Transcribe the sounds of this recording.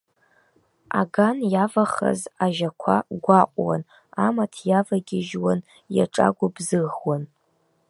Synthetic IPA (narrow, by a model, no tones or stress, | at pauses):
a̰ɡanjavaχa̰zaʒakʷʰa̰ɡʷaqʷʼwa̰n | amatʰjavaɡʲɪʒwan | ja̰ʈ͡ʂʼa̰ɡʷʊbzɨʁwan